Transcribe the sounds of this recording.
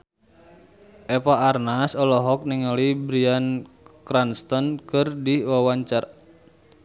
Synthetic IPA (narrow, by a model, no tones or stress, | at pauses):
ʔɛpaʔːrnasɔlɔɦɔk̚niŋɔlibɾian | kɾanst̪ɔnkɨrdiwawaɲt͡ʃar